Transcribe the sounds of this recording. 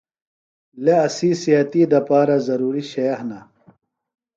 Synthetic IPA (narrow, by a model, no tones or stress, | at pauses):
leɐsisiɐt̪id̪ɐpaːɾɐzɐɾuːɾiɕɐjɐhnɐ